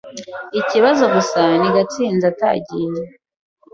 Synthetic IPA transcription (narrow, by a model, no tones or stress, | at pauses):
iciβazo̞ɡusaniɡat͡siːnzata̰ːɟiːne